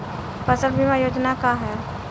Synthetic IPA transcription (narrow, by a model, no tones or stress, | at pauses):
pəsəlbʱimãjoːd͡ʒnakaɦɛː